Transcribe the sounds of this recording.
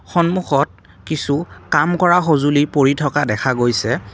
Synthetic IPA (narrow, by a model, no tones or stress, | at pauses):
xɔnmuxɔt̚ | kisukamkɔɹaxozulipoɹitʰɔkadɛkʰaɡojsɛ